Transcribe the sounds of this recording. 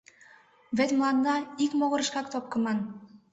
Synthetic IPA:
βĕt̪ʲmlˠɑnd̪ɑikmoɣɤ̆ɾə̆ʃkɑkt̪op̚kɤ̆mɑn

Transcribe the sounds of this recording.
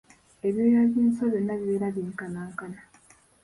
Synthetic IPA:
eβjojaβiːnsoβjonːaβiβeːɾaβiːŋkanaːŋkana

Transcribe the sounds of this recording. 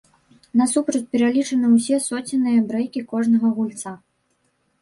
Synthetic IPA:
nɐsupɾɐt͡sʲpʲɛɾalʲit͡ʂɐnɨwsʲɛsɔt͡sʲinːɨjɐbɾɛjkʲikɔʐnɐɣɐɣulʲt̪sa

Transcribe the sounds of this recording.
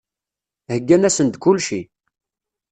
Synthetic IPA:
həɡːænæsənd̪kʊlʃi

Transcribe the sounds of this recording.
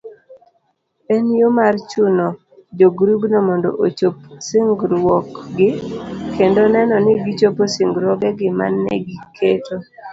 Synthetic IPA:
enjomart͡ʃunɔ | d͡ʒoɡɾuɡnɔmondo̰ʔot͡ʃopsiŋɡɾwɔkɡɪkendonɛnɔnɪɡit͡ʃoposɪŋɡɾwɔɡɛɡɪma̰nːɛ̰ɡikʰeto

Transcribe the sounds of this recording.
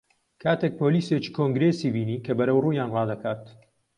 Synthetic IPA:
kʰaːt̪ʰek̚pʰoːliːset͡ʃi̥kʰoŋɡɾesiːbiːniːkʰɐbɐɾɐwruːjaːnrɑːd̪ɐkʰaːt̪

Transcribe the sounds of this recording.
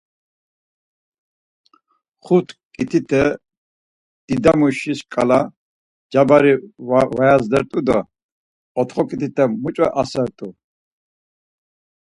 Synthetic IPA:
χut̪ʰkʼit̪ʰit̪ʰɛ | d̪̥id̪amuʃiskʼa̰la | d͡ʒabaɾivajazd̪ɛɾt̪ʼud̪ɔ | ɔt̪χɔkʼit̪ʰit̪ʰɛmut͡ʃʼa̰ʔasɛɾt̪ʼu

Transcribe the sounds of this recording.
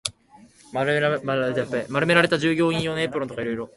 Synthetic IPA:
maɾɯmaɾet̪ajapːaimaɾɯ̟me̞ɾaɾe̞t̪aʑɨːɡʲo̞ːĩjo̞ːnoepːɯ̟ɾot̪o̞kaiɾo̞iɾo̞

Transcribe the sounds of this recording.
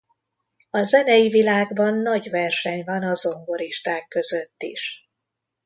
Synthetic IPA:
ɒzɛnɛjivilaːɡbɒnːɒɟvɛrʃɛɲvɒnɒzo̞ŋɡo̞ɾiʃt̪aːkːø̞zøt̪ːḭʃ

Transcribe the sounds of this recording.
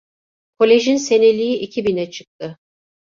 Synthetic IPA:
kʰo̞lʲe̞ʒinse̞ne̞lʲijiʔicʰibinɛt͡ʃʰɯk̚t̪ʰɯ

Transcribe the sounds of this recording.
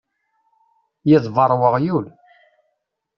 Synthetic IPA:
jɪðˤvəɾˤwəʁjul

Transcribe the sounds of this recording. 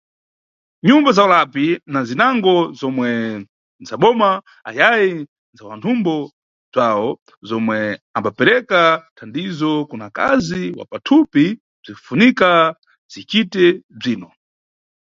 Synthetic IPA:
ɲumbazaɔlapinazinaŋɡɔzɔmwɛ | nzaɓɔma | a̰jaji | nzawantʰumbɔ | zaɔ | zɔmwɛambapɛɾɛkatʰandizɔkunaka̰ziiwa̰patʰupi | b͡ʐiufunika | zit͡ʃitɛb͡ʐiːnɔ

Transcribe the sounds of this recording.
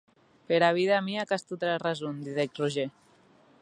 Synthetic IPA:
peɾaβ̞iðamiakast̪ut̪ɾarazund̪iðekruʒe

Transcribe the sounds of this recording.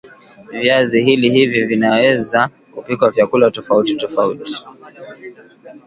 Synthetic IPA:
vjazihilihivivinawɛza | kupikwavjakulatɔfautitɔfaṵti̥

